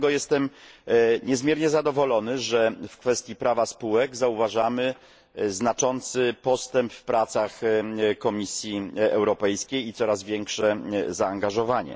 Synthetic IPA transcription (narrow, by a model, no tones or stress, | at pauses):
ɡɔjɛst̪ɛm | ɲɛzmʲjɛɾɲɛzad̪ɔvɔlɔnɘʐɛfkfɛst̪ʲjipɾavaspuwɛɡzauvaʐamɘ | znat͡ʂɔnt̪sɘpɔst̪ɛmpfpɾat̪saxkɔmʲisʲjiɛwɾɔpɛjskʲejit̪sɔɾazvʲjɛŋkʂɛzaːŋɡaʐɔvaɲɛ̰